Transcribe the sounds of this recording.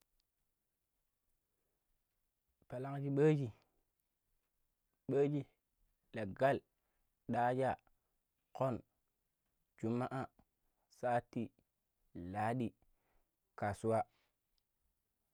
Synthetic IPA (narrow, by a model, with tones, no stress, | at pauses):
pa˨la˦ŋd͡ʒi˦ɓə˦d͡ʒi˦ | ɓə˦d͡ʒi˦ | la˨ɡa˦˨l | ɗa˦d͡ʒa˦˨ | ko˦˨n | d͡ʒu˨mːa˦ʔa˦ | sa˦ti˦ | la˨˦ɗi˦ | ka˨su˦wa˦